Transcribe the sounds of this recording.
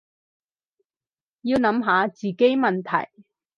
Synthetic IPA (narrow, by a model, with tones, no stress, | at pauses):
jiː˧wnɐ˨˥mɦaː˨˧t͡siː˨˩ke˥jmɐ˨nt̪ʰɐ̰˨˩j